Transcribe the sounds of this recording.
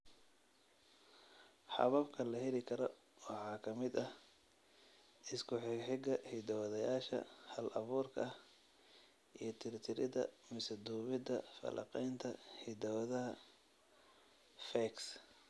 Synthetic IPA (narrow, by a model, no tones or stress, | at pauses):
ħɑ̰βɐbkʰɐlɐhɛlɪkʰɐɾɔ | wɑħɑːkʰɐmɪd̪ɐh | ʔɪskʰʊħɪɡħɪɡɐhɪd̪ɐwɐðɐjaːʃɐ̰hɐlʔɐβuːrkʰɐɐh | ʔijɞt̪ʰɪɾɪt̪ʰɪɾɪðɐ̰mɪsɐd̪uːβɪd̪ɐfɐ̰lʔɑ̰qɛjnt̪ʰɐhɪd̪ɐwɐðɐɦɐ | fɛks